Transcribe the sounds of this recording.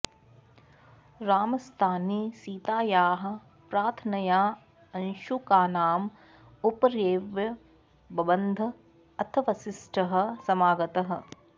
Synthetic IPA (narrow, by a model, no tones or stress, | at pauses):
ɾaːmɐst̪ʰaːniːsiːt̪aːjaːɦɐ̆ | pɾaːt̪ʰnɐjaː | ɐnʃukaːnaːm | upɐɾjeːʋjɐ | bɐbɐnd̪ʱɐ | ɐt̪ʰɐʋɐsisʈʰɐɦɐ̆sɐmaːɡɐt̪ɐɦɐ̆